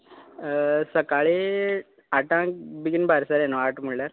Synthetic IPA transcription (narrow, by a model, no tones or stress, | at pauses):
səkaɭe | aʈãkbiɡinbʱaɾsaɾenɔaʈmuɭlaɾ